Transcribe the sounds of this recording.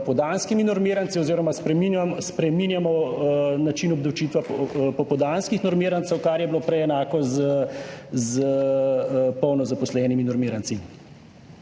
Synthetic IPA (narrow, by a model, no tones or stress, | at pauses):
pɔd̪anskiminɔɾmiːɾant̪siɔziːɾɔmaspɾɛminaspɾɛmiːnjamɔnat͡ʃinɔbd̪ɔwt͡ʃiːt̪ʋapɔpɔd̪anskixnɔɾmiːɾant̪səwkaɾjɛbiloːpɾɛɛnaːkɔzəzə | pɔwnɔzapɔslɛːniminɔɾmiːɾant̪si